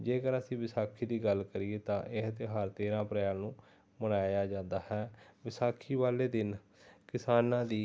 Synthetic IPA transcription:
d͡ʒeːkəɾəsĩːʋɪsaːkʰiːd̪iːɡəlkəɾieːt̪ã̰ːʔɪɦt̪eːɦəɾt̪eːɾãːpɾəaːnũː | məɽaːjaːd͡ʒãːnd̪aːhɛːʋɪsaːkʰiːʋaːleːd̪ɪn | kɪsaːnãːd̪iː

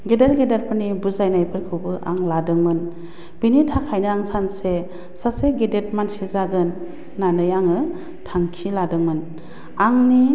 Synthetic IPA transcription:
ɡedeɾɡedet̚pʰɯnibuzajnajpʰɯɾkʰɯwbɯʔa̰ŋladɯŋmɯn | b̥initʰakʰajnɯaŋsanse | saseɡedet̚mansizaɡɯnː | anɯjaŋɯ | tʰaŋkʰiladɯŋmɯn | aŋni

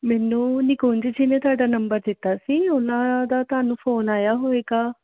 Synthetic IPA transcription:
mɛːnũːnɪkoːnd͡ʒiːd͡ʒiːnẽt̪ʊaːɖaːnəmbəɾd̪ɪt̪ːaːsiːʊnãːd̪aːt̪ʊaːnũːpʰoːnaːjaːɦoːeːɡaː

